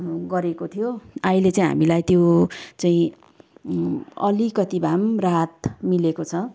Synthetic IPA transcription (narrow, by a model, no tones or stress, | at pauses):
ɡʌɾekot̪ʰijoailet͡saĩɦa̰milajt̪jot͡saĩ | ʌlikʌt̪ibʱamrat̪milekot͡sʰʌ